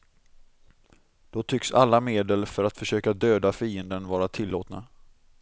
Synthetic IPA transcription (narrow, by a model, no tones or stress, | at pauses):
d̪̥ɔt̪ʰʏksa̰lːameːd̪əlfœɾat̪fœʂøːkad̪øːd̪afiːənd̪ənvɑːɾat̪ʰɪlːo̰ːt̪na̰